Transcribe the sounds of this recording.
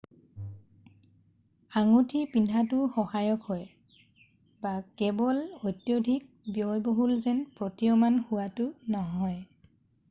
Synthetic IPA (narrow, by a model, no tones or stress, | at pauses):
aŋutʰipindʱatʊxɔhajɔkhɔj | bakɛbɔlojtjodʱik̚bjɔjboɦulzɛnpɹotiɔmanhʊwatʊnɔɦɔj